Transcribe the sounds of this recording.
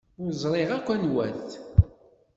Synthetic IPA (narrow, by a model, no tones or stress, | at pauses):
ʊɾzˤɾˤiʁækʷːænwænθ